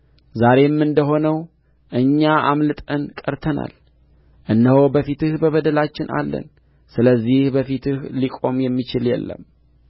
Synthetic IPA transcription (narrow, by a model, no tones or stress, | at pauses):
zaɾe̞mːɨnd̪əɦo̞nəw | ʔɨɲːaʔamlɨt̪ʼənkʼəɾt̪ʰəna̰l | ʔɨnːəho̞bəfit̪ʰɨhbəβəd̪əlat͡ʃːɪnʔa̰lːə̰n | sɨləzːihbəfit̪ʰɨhlikʼo̞mjɛmːit͡ʃɪljɛ̰lːə̰m